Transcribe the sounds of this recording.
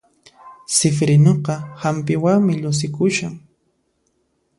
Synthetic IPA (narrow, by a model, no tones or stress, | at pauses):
sɪfɾɪnoqɑhampɪwaŋmɪʎʊs̬ɪkʊʃaŋ